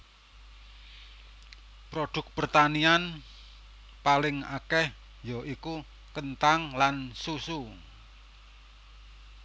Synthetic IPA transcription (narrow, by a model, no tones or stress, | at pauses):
pɾoɖ̥ʊ̤k̚pərt̪anian | palɪŋa̰kɛh | joʔiku | kənt̪aŋlansusu